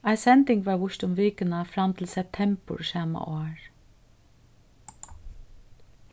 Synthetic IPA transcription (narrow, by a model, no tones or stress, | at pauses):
aɪsɛnt̪ɪŋkʋaɹʋʊʃt̪ʊmʋɪːkɪnafɾamt̪ʰɪlsɛp̚t̪ʰɛmpə̰ɹsɑːma̰ʔoːɹ